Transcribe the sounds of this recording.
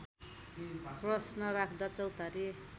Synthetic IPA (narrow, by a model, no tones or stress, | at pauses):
prʌsnʌɾakʰd̪at͡sʌwt̪aɾi